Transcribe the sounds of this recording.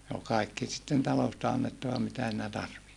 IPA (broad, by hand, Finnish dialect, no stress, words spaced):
ne ol kɑˑikːi sitːen tɑlostɑ ɑnːetːɑʋɑ mitæ siːnæ tɑrʋihti